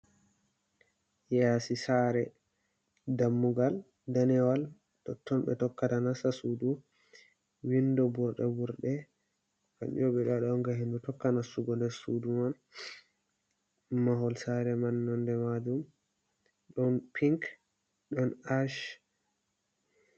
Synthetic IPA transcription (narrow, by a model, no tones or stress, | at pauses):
jasisaɾɛ | damːuɡal | danɛwal | tɔtʰːɔnɓɛ̰tɔkːatanasasudu | windɔbuɾɗɛ̰buɾɗɛ | ka̰ɗḭɔɓɛɗaɗɔnɡaɦendutɔkːanasuɡɔndɛsuduman | maɦɔlsaɾɛmanːɔndɛmad͡ʒum | ɗɔnpʰiŋk | ɗɔnaʃ